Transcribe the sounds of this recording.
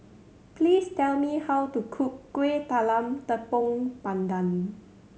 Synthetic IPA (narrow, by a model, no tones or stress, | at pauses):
pliːstɛlmihawt̪ukʰukːwet̪alãmt̪əpɔ̃ŋpãndãn